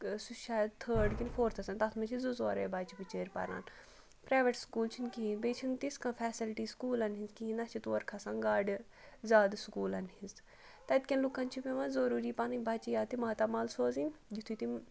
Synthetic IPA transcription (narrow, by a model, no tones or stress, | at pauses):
suʃaːjd̪̚t̪ʰəːɖkinfʰoːɾt̪ʰɐsɐnt̪ɐt̪ʰmɐt͡ʃʰizuzoːɾḛːbaːt͡ʃʰipit͡ʃeːɾpɐ̰ɾa̰ːn | pɾaːʋeʈskuːlt͡ʃʰinkiɦĩnbeːt͡ʃʰint̪iskãːfʰɛːsilʈiːskuːlɐnɦinzkiɦĩnɐt͡ʃʰit̪uːɐɾkʰɐsãŋɡaːɖ | zaːd̪skuːlɐnhinz | t̪ɐt̪̚kʲɐnlukːɐnt͡ʃʰipeʋãzɐɾuːɾiːpanibaːt͡ʃijaːt̪imaːt̪aːmaːlsoːzind͡ʒit̪ʰut̪im